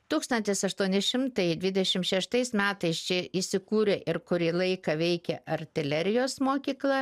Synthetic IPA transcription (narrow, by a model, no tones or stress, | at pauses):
t̪uːkst̪ɐnt̪ʲɪsɐʃt̪uɔnʲɪʃʲɪmt̪ɐɪd̪ʲʋʲɪd̪ʲɛʃʲɪmʃʲɛʃt̪ɐɪsmʲæːt̪ɐɪst͡ʃʲɪisʲɪkuːɾʲeːʔɪɾkʊɾʲiːlˠɐɪkɐʋʲɛɪkʲɛɐrʲt̪ʲɪlʲɛɾʲɪjoːsmoːkʲiːklˠɐ